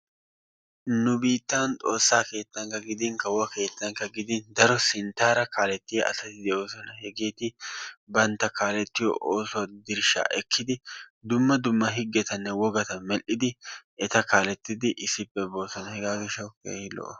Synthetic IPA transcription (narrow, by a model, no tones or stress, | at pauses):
nʊbiːt̪ːaːnt̪ʼo̰ːsːaːke̞ːt̪ːɐŋkɐɡɪd̪ɪŋkɐwɐke̞ːt̪ːɐŋkɐɡɪd̪ɪnd̪ɐɾɔsɪnt̪aːɾɐkaːlɛt̪ːɪjɛɐ̰tɐt̪ɪd̪ɛʔoːsɔnɐhɛɡeːt̪ɪbɐnt̪ɐkaːlɛt̪ːɪjɔ̰ʔoːsɔd̪ɪɾʃa̰ːʔɛkʰːɪd̪ɪd̪ʊmːɐd̪ʊmːɐɦɪɡɛt̪ɐnːɛwɔɡɐt̪ɐmɛlʔɪd̪ɪʔɛt̪ɐkaːlɛt̪ːɪd̪ɪʔɪsɪpːɛbo̞ːsɔnɐhɛɡaːɡɛʃɐkḛːhɪlɔ̰ʔɔ